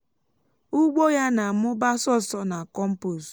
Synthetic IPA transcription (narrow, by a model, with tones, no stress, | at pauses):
ʊ˦ɡ͡bo˦ja˦na˨mʊ˦ba˦sɔ˦sɔ˦na˨kɔ˦m̩˦pu˨s